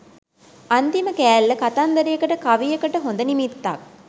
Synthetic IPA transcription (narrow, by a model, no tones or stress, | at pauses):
ant̪iməkæːlːəkat̪and̪ɐɾijəkəʈəkaʋijəkəʈəɦond̪ənimit̪ːak̚